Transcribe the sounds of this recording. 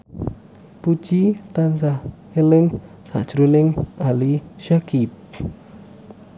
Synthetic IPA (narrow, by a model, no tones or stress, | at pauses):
pu̥ʒ̥it̪ansah | elɪŋ | sa̰ʔd̥ʒ̥ɾunɪŋʔaliʃakip̚